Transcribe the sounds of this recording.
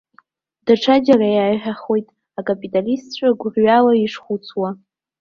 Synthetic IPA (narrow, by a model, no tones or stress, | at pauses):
d̥aʈ͡ʂʰad͡ʒarajajħᶣaχo̞jtʼ | akʼapʼitʼalistt͡ɕʷʰʼaɡʷʕɥalaiʂχʷut͡sʰwa